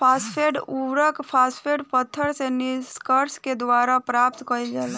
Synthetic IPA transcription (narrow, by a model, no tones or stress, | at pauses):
pʰaːspʰeːɖuʋɾəkpʰaːspʰeɖpət̪ʰːəɾsenɪskəɾsked̪waːɾapɾaːp̚t̪kəid͡ʒala